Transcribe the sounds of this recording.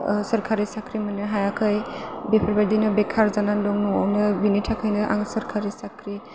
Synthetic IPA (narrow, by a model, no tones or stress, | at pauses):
səɾkʰaɾisakʰɾimanɯɦajakʰɯjbepʰɔɾbadinɯbɛkʰaɾzanandɔŋnɔɔ̰wnɯbinitʰakʰajnɯʔa̰ŋsəɾkʰaɾisakʰɾi